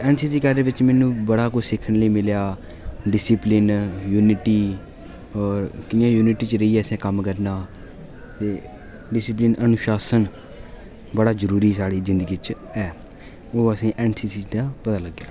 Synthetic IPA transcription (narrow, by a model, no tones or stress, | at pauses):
ɛːnsiːsiːkəɾdeːʋɪt͡ʃmɛːnũːbəɽaːkʊt͡ʃʰsɪkʰːənləiːmɪljaː | ɖɪsɪplɪnjuːnɪʈiː | ɔːɾkɪjãːjuːnɪʈiːt͡ʃɾəiːɛːəsẽːkəmkəɾnaː | t̪eː | ɖɪsɪp̬lɪnʔənʊʃaːsən | bəɽaːzəɾuːɾiːsaːɽiːzɪ̃nd̪əɡiːt͡ʃ | ɛː | oːəsĩːʔɛːnsiːsiːd̪aːpət̪aːləɡjaː